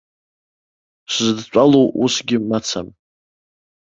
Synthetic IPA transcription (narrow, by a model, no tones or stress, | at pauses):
ɕʷzdt͡ɕʷʼalowṵsɡʲɪmat͡sʰa̰m